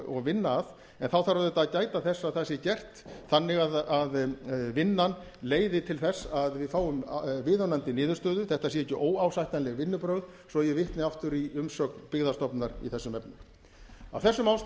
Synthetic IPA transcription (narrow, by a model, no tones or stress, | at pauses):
ɔɣvɪnːaːð | ɛnθawθaɾaðʏt̪aðcaːjt̪aθɛsːaθɛsːɪcɛr̥t̪θanːɪɣaðaðvɪnːan | leːjðɪt̪ʰɪlθɛsːaðvɪðfaːwʏmvɪːðœnant̪ɪnɪːðʏ̥ɾst̪œːðʏθɛht̪as̬jɛɛcːʏʔoːwawsajht̪anlɛɣvɪnːʏpɾœɣð | sɔjɛvɪht̪nɪaft̪ʏɾiʏmsœkpɪɣðast̪ɔpnaɾḭθɛsːʏmɛpnʏm | a̰wθɛsːʏmaws